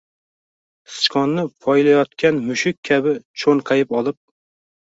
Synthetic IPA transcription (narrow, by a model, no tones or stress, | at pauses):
sɨ̥t͡ʃkʰɒnːɪpʰɒjlajɒt̪̚kʲʰanmʊʃɪkʲʰːabɪt͡ʃʰoŋqʰɑjɪpɒlˠɪp̚